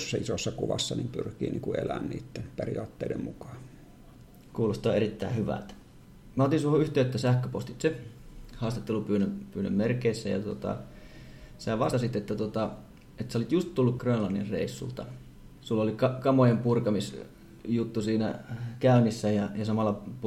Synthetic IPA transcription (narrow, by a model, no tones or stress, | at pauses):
sːɑisosːɑkuʋɑ̰sːɑnimpyrkiːnḭːŋkuḛlænnḭːt̪ːenperiɑːt̪ːeˑidemmukɑ̥ː | kuːlost̪ɑːeɾit̪ːæihyʋæ̰lt̪ | mæot̪insuhoyht̪ˑeːt̪ːæsæhkˑøpost̪it̪sehɑːst̪et̪ːelupyːnømpyːnø̰mmerkeisːæjɑ̰t̪ot̪ɑ̰ | sæːʋɑst̪ɑsit̪et̪ːæt̪uot̪ɑ | et̪seolit̪just̪t̪ulːukkrønlɑnːḭrrḛisːṵlt̪ɑ | sulːolikɑkɑmojempurkɑmis | jut̪ːusiːnæ̰kæynisːæjɑjɑsɑmɑlːɑp